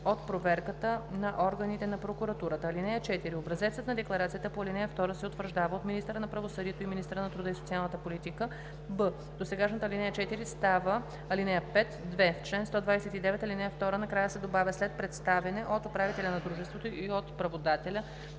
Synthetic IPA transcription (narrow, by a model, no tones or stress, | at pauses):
ot̪pɾovɛɾkət̪ənɐʔɔɾɡənit̪ɛnɐpɾokuɾɐt̪uɾət̪əːlinɛjət͡ʃɛt̪iɾiobɾɐzɛt̪sət̪nɐd̪ɛklˠɐɾat̪sijət̪əpoɐlinɛjəft̪ɔɾəsɛot̪vəɾʒd̪avəot̪minist̪əɾənɐpɾɐvosɤd̪iɛt̪oiminist̪əɾənɐt̪ɾud̪əisot̪ialˠnət̪əpolit̪ikə | bə | d̪osɛɡaʃnɐt̪əɐlinɛjət͡ʃɛt̪iɾist̪avə | ɐlinɛjəpɛt̪d̪vɛft͡ʃlɛnst̪ɔd̪vajsɛt̪id̪ɛvɛt̪ɐlinɛjəft̪ɔɾənɐkɾajəsɛd̪obavʲjəslɛt̪̚pɾɛt̪st̪avɛnɛʔot̪opɾavit̪ɛlʲɐnɐd̪ɾuʒɛst̪vot̪oʔiot̪pɾɐvod̪at̪ɛlʲə